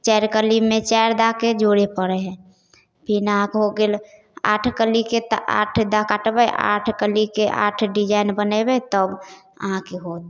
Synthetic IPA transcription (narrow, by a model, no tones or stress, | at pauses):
t͡ʃɛɾkəlimẽt͡ʃaɾd̪aked͡ʒoɽepəɾeɦɛ̃ | pinaãkɦoɡel | a̰ʈʰkəliket̪ʔa̰ːʈʰd̪akaʈbəjʔa̰ːʈʰkəlikeʔa̰ːʈʰɖid͡ʒaːɪnbənebet̪əb | ə̰ɦãkeɦod̪